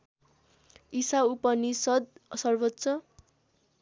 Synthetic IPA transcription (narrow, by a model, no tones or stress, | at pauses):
isaupʌnisʌd̪̚sʌrbʌt̪ːsʌ